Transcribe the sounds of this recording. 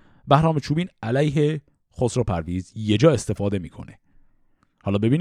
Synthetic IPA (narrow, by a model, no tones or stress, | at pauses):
bæhɾɒːme̞t͡ʃʰuːbiːnælæjɦe | xosɾopʰæɾviːzje̞d͡ʒɒːe̞st̪e̞fɒːd̪e̞miːkʰo̞̰ne | hɒːlɒːbe̞biːn